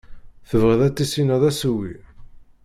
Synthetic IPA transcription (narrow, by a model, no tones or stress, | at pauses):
θəvʁəðæt͡s̪ːisinæðˤæsuwi